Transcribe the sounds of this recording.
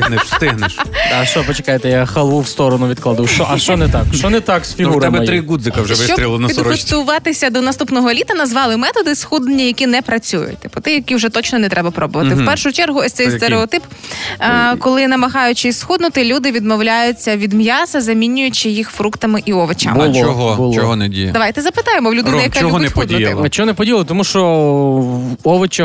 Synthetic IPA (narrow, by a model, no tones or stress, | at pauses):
st̪ɪɦnʃaʃt͡ʃɔpɔt͡ʃe̥kɑjet̪ɛjaxɐlˠuwst̪ɔɾɔnʊʋʲid̪klˠad̪ʊwʃt͡ʃɔʔɐʃt͡ʃɔnɛt̪akʃt͡ʃɔnɛt̪ɑksfʲiuɾɛbɛjt̪ɾɪɡud̪zɪkɐwʒɛʃʋɪst͡ʃɔɾʲilˠɐnpʲidd̪ɔt̪ʊʋɑt̪ɪsʲɐd̪ɔnɐst̪upnɔɦɔlʲit̪ɐnɐzʋɑlˠɪmɛt̪ɔd̪ɪsxud̪nenʲijɐkʲinɛpɾɐt͡sʲujʊ̰t̚ʲt̪ɪ̥pʊt̪ɪjɐkʲiwʒɛt̪ɔt͡ʃnɔnɛt̪ɾɛbɐpɾɔbʊʋɐt̪ɪwpɛrʃʊt͡ʃɛrɦʊɔsʲt̪ɛjst̪eɾeɔt̪ɪp | kɔlˠɪnɐmɐɦɑjʊt͡ʃɪsxud̪nʊt̪ɪlʲud̪ɪʋʲid̪mɔwlʲajʊt͡sʲːɐʋʲid̪mjɑsɐzɐmʲinʲʊjʊt͡ʃɪjixfɾukt̪ɐmɪʔiɔʋɐt͡ʃa̰bmʊɔɦɔbʊɔɦɔnɛdʲḭj̰d̪ɐʋajt̪ɛzɐpɪt̪ɑjemɔwlʲʊd̪ɪɛjɐkt͡ʃaɔɔnpɔd̪ʲj̪ɪt͡ʃɔɦɔnɛpɔdʲijlˠɪt̪ɔmuʃɔ | ɔʋɐt͡ʃɐ